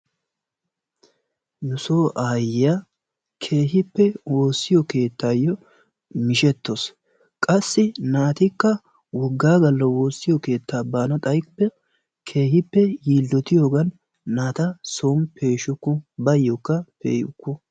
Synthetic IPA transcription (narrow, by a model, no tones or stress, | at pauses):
jʊsoːʔaːja | kʰe̞ːɦɪpːɛwo̞ːsːɪjɔke̞ːt̪ʰːaːjːɔ | mɪʃɛt̪ːos | kʼɐsːɪnaːt̪ɪkːɐ | wɔɡːaːɡɐlːɐwo̞ːsːɪjɔke̞ːt̪ːaːbaːnɐt̪ʼɐjpːɛ | kʰe̞ːhɪpːɛjiːlːɔt̪ɪjoːɡɐnː | aːt̪ɐsoːmpe̞ːʃʊkːʊbɐjːɔkːɐpḛːjʊkːʊ